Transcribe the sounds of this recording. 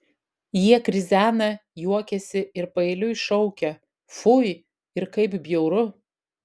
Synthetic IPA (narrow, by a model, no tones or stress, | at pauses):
jiɛkɾʲɪzʲæːnɐjuɔkʲɛsʲɪʔɪɾpɐɛlʲʊɪʃɔʊkʲɛ | fʊj | ɪɾkɐɪbbʲjɛʊɾʊ